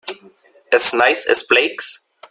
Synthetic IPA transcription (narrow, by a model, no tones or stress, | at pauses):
ɨznaɪsɨ̰zb̥leɪks